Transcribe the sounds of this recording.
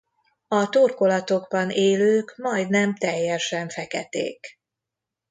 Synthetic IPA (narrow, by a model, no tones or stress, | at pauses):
ɒt̪oːrko̞lɒt̪o̞ɡbɒnʔeːløːkmɒjd̪nɛmt̪ɛjːɛʃɛɱfɛkɛt̪ḛːk